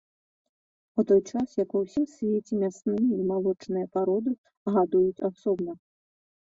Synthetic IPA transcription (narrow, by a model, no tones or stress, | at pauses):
ut̪ɔjt͡ʂasjakuwsʲisʲvʲet͡sʲimʲasnɨjɐimalˠɔt͡ʂnɨjɐpaɾɔd̪ɨ | ɣad̪ujut͡sʲasɔbnɐ